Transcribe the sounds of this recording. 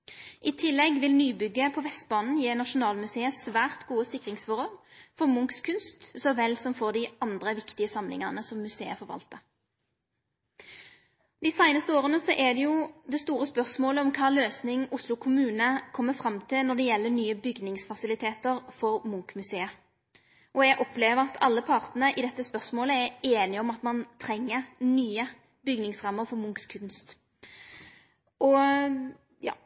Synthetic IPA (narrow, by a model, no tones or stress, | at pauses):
ʔɪt̪ʰɪlːɛɡʋɪlnyːbʏɡːəpʰɔʋɛst̪̚bɑːnn̩jeːnɑʂʊnɑːlmʉseːəsʋæːʁt̪ɡuːəsɪkʁɪŋsfɔʁɔlfɔʁmʊŋkskʰʉnst̪sɔʋɛlsɔmfɔʁd̪ɪʔɑnd̪ʁəʋɪkt̪ɪəsɑmlɪ̰ŋɑʁnəsɔmːʉsḛːəfɔʁʋɑ̰lt̪ə | d̪ɪːsæɪnəst̪əoːʁənəsɔʔɛd̪ɛjʊd̪ɛst̪uːʁəspœʁsmoːləɔmkʰɑːløːsnɪŋʊslʊkʰʊmʉːnəkʰɔmːəfɾɑmt̪ʰɪlnɔd̪ɛjɛlːənyːəbʏɡnɪŋsfɑsɪlɪt̪ʰeːt̪əɾfɔɾmʊŋkmʉseːə | ʔɔɛɡʔɔpleːʋəɾɑt̪ʰɑlːəpʰɑʁt̪nən̩əʔɪd̪ɛt̪ːəspœʁsmoːləæɾeːnɪɔmɑt̪mɑnt̪ʰɾɛŋːəʁnyːə | bʏɡnɪŋsʁɑmːəɾfɔɾmʊŋkskʰʉnst̪ | ʔɔ | jɑ̰ː